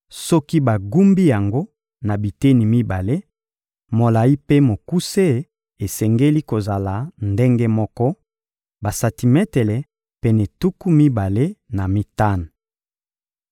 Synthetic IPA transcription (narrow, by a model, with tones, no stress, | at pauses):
sɔ˦ki˦ba˨ɡu˦mbi˦ja˨ŋɡo˦ | na˨bi˨te˦ni˨mi˦ba˨le˦ | mo˨la˨i˦pe˦mo˨ku˦se˦ | e˨sɛ˨ŋɡe˦li˦ko˨za˨la˨nde˦ŋɡe˦mɔ˦kɔ˦ | ba˨sa˨ti˨mɛ˦tɛ˨lɛ˨ | pɛ˨nɛ˨tu˦ku˦mi˦ba˨le˦na˨mi˦ta˦nu˨